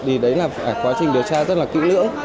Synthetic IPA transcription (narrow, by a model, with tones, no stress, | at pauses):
ɗi˨˩ɗə˨˦jlaː˨˩fa˨˧˩kwaː˨˦t͡ɕï˨˩ŋ̟ɗi˨˩əwt͡ɕaː˧zə˦˥t̚laː˨˩kḭ˧˥nlɨ̰˧˥əŋ